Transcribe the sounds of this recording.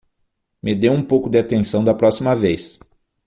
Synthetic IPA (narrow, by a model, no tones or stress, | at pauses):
mɪd̪ewũpowkʊd̪ɪat̪ẽsɐ̃d̪ɐpɾɔsimɐvejs